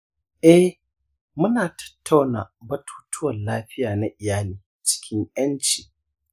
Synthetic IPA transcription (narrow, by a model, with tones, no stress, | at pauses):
ʔɛ˦h | mʊ˦naː˨tɐ̥˦tːa˦wna̰˨bɐ˦tʰu̥ː˦tʰʊ˦wɐ˨nlaː˦ɸɪ˦jaː˨na˦ʔɪ˨jaː˦liː˨ | t͡ʃɪ̥˦kʲʰɪ˦ŋʔɐ˦nt͡ʃi˨